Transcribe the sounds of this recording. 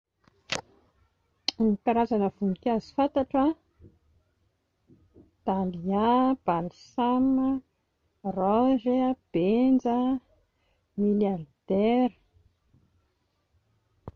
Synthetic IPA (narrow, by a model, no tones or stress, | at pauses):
nikaɾazanəv̥unikʲazi̥fant̪aʈ͡ʂa | t̪aliab̥alsamə | rɔzeab̥end͡zə | miljard̪̥eɾ